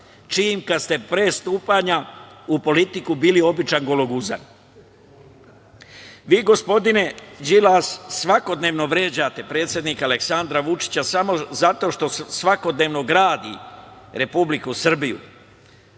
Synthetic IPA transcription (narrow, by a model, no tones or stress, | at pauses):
t͡ʃiːmkad̪st̪e̞pɾeːst̪uːpaɲaupo̞lit̪ikubiːlio̞bit͡ʃanɡo̞loɡuza̰n | ʋiːɡo̞spo̞d̪ine̞d͡ʒilassʋako̞d̪ne̞ːʋno̞ʋɾe̞ːd͡ʑaːt̪e̞pɾe̞ːt̪sʲjed̪nikale̞ksand̪ɾaʋut͡ʃi̥t͡ɕasamo̞zat̪o̞ːʃt̪o̞sʋako̞d̪ne̞ːʋno̞ɡɾaːd̪ḭ | ɾe̞publikusr̩bijṵ